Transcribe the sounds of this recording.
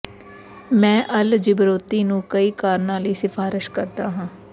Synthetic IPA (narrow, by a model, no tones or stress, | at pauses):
mɛ̃ːʔəld͡ʒɪbɾoːt̪iːnũːkəiːkaːɾnãːliːsɪfʰaːɾɪʃkəɾt̪aːɦãː